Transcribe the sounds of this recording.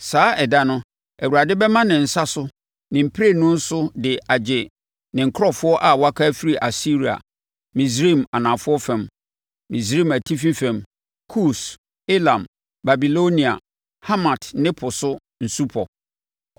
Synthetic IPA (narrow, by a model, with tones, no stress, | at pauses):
saː˨˦ɛ˨da˦nʊ̃˦ | ɛ˨wu˨ɾa˨dɪ˦bɛ˦mã˦nɪ̃˨n̩˨sa˦sʊ˦ | nɪ̃˨m̩˨pʰɾe˦˨nʊ̃˦n̩˦sʊ˦dɪ˨ʔa˨d͡ʑɪ˨ | nɪ̃˨ŋ̩˨kʰɾɔ˦fʊ˦ɔ˦ʔa˨wɔ˦a˦kʰa˦fi˦ɾi˨ʔa˨si˦ɾi˨a̰˨ | mĩ˨s̬ɾi˦˨ma˨nã˨fʊ˦ɔ˦fɛ̃˨m | mĩ˨s̬ɾi˦˨mæ˨tʰi˦fĩ˦fɛ̃˨m | kʰu˦s | e˦lã˨m | ba˨bi˨lo˦nĩ˨a̰˨ | ha˦mã˨tnɪ̃˦pʰʊ˨sʊ˦ | n̩˨su˦pʰɔ˨